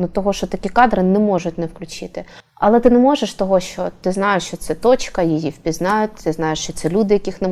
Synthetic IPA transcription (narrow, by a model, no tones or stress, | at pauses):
nʊt̪ɔɦɔʃt͡ʃɔt̪ɐkʲikɑd̪ɾɪnɛmɔʒʊtʲnɛwklʲʊt͡ʃɪt̪ɪ | ɐlˠɛt̪ɪnɛmɔʒeʃt̪ɔɦɔʃt͡ʃɔt̪ɪznɑjʊʃt͡ʃɔt̪sɛt̪ɔt͡ʃkɐjijiwpʲiznɑjʊt̚ʲt̪ɪznɑjeʃt͡ʃɔt̪sɛlʲud̪ɪjɐkʲixnɛ